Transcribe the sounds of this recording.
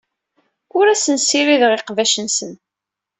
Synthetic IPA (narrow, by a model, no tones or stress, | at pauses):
ʊɾæsənsiɾiðʁeqvæʃənsən